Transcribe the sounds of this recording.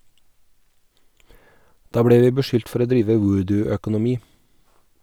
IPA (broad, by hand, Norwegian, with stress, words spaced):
ˈdɑː ˈbɽeː ˈʋiː bəˈʃʏlt ˈfɔɾ ˈoː ˈdɾiːʋə ˈwʊːdʉœkʊnʊˌmiː